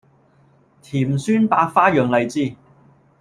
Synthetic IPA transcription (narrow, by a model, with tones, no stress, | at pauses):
t̪ʰiː˨˩msyː˥npaː˧k̚faː˥jœː˨˧ŋlɐ˨˧jt͡siː˥˩